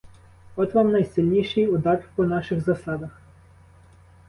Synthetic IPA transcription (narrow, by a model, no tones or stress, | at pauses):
ɔt̪ʋɑmnɐjsɪlʲnʲiʃɪjʊd̪ɑrpɔnɑʃɪxzɐsɑd̪ɐx